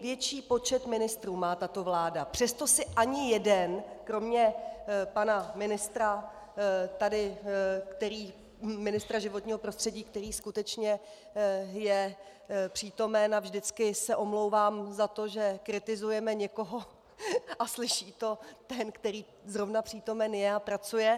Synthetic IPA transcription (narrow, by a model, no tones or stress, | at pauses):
vjɛt͡ʃiːpo̞t͡ʃɛt̪mɪnɪst̪ɾuːmaːt̪at̪o̞vlaːdapr̝̥ɛst̪o̞sɪʔaɲɪjɛdɛnkɾo̞mɲɛpanamɪnɪst̪ɾa | t̪adɪkt̪ɛɾiː | mɪnɪst̪ɾaʒɪvo̞t̪ɲiːɦo̞pɾo̞st̪r̥ɛɟiːk̚t̪ɛɾiːskut̪ɛt͡ʃɲɛ | jɛ | pr̥iːt̪o̞mɛnavʒdɪt͡skɪsɛʔo̞mlowvaːmzat̪o̞ʒɛkɾɪt̪ɪzujɛmɛɲɛko̞ɦo̞ | ʔaslɪʃiːt̪o̞t̪ɛnkt̪ɛɾiː | zɾo̞vnapr̥iːt̪o̞mɛnjɛapɾat͡sujɛ